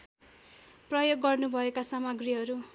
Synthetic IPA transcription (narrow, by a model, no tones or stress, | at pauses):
prʌjoɡːʌrnubʱʌekasamʌɡriɦʌɾu